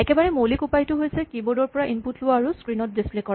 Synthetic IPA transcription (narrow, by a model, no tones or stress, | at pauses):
ɛkɛbaɹɛmolikupajtʊɦojsɛkibodɔɹpɔɹaʔinputʰlʊwaːɹuskɹinɔt̚displekɔɹa